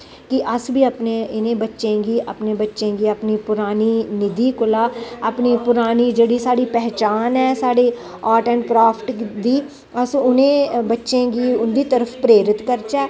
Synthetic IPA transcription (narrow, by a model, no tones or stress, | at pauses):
kɪʔəsbiːəpnẽːʔɪnẽːbətːʃẽːɡiːʔə̰pneːbətːʃẽːɡiːəpniːpʊɾaːniːnɪd̪iːkʊlaːapniːpʊɾaːniːd͡ʒeːɽiːsaːɽiːpɛːt͡ʃaːnɛːsaːɽeː | aːʈɛ̃ːɳʈ̚pɾaːpʰʈd̪iː | əsʊnẽːbətːʃẽːɡiːʊnd̪iːt̪əɾəpʰpɾeːɾɪt̪kəɾt͡ʃɛː